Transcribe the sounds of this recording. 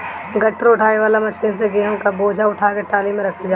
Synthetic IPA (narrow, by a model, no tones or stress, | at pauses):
ɡʱɐʈɾʊʈʰaːeʋaːlamɐʃiːns̬eɡɪakaboːd͡ʒʱaʊʈʰaːkeʈaːlimẽɾɐkʰid͡ʒaː